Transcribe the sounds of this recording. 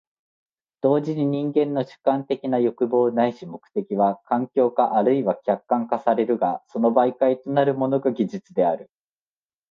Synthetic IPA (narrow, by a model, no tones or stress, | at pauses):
d̪̥o̞ːʑiɲ̟iɲ̟ĩŋɡẽ̞nːo̞ɕɨ̥kːãnt̪e̞kʲinajo̞kɯ̟bo̞ːnaiɕimo̞kɯ̟̥t̪e̞kʲiβakãŋkʲo̞ːkaʔaɾɯ̟iβakʲakːãŋkasaɾe̞ɾɯ̟ɡaso̞no̞baikait̪o̞naɾɯ̟mo̞no̞ɡaɡʲiʑit͡sɨd̪e̞aɾɯ̟